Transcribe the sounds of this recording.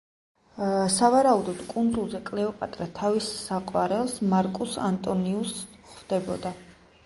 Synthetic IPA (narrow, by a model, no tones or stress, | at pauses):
savaɾaud̪ɔd̪̥kʼund̪zulˠzɛkʼlɛɔpʼat̪ʼɾat̪ʰavissaqʼwaɾɛlˠsmaɾkʼusa̰nt̪ʼɔniusχvd̪ɛbɔ̰d̪a